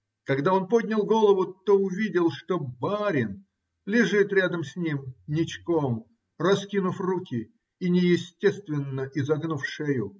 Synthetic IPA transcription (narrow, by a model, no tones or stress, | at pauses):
kɐɡd̪ao̞npo̞dʲnʲɪlˠɡo̞lˠəvʊt̪oʊvʲidʲɪlˠʂt̪obaɾʲɪn | lʲɪʐɨt̪ɾʲad̪əmsʲnʲimnʲɪt͡ɕkom | rɐskʲinʊfrukʲɪ | inʲɪjɪsʲtʲe̞st̪vʲɪnːəʔɪzɐɡnufʂejʊ